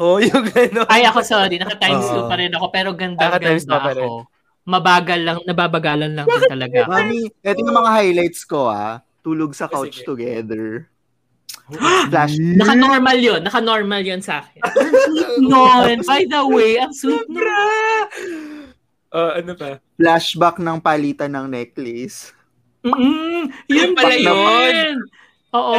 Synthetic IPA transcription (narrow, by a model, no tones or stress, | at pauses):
ʔojʊŋɡɐnoɐjʔɐkosoːɾinɐkɐt̪ajjmsuːppɐɾɛnɐko̞pɛːɾo̞ɡɐnd̪ɐɐɡ̪ad̪ɐko̞ | mɐbaːɡɐlːɐŋnɐbaːbɐɡaːlɐnlɐŋat̪ɐlɐɡamamiʔɛːt̪oɲɐmɐŋahajlajt̪skoa̰ | t̪uːloɡ̚sɐkowt͡ʃt̪ʊɡɛd̪ɛɹ | flaʃnɐkanoɹmɐljonːɐkɐnoɹmɐljonsʔaːkɪn | nonbajd̪ɐwejɐŋsuːbɾa | ʔoʔɐnobɐflaʃbɐknɐŋpaliːt̪ɐnɐŋnɛk̪̚lɪs | m̩ː | jʊŋpɐbalnonn | ʔoːʔo